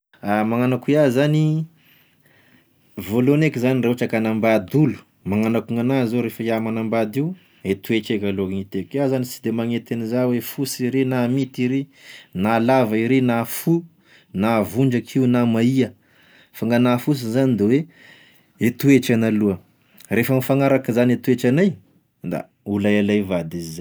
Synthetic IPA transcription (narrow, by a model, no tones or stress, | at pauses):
amaŋanakuiazani | volonekizanireoʈ͡ʂakanambad̪ulu̥ | maŋanakuŋanazoɾefəiamanambad̪iu | et̪uet͡ʃekaloŋit̪ekiazanisi̥d̪emaŋet̪enizawefusiɾenamit̪iɾinalavaiɾenafu | navuɳd͡ʒakʰiunamaiə | faŋanafus̬izanid̪ewe | et̪ueʈ͡ʂanaluə | refəmifaŋaɾakizanet̪ueʈ͡ʂanaj | d̪a̰ | ulajalajvad̪iza